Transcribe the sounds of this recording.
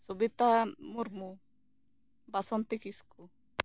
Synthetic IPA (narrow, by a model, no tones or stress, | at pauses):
subit̪amuɾmu | basɔnt̪ikisku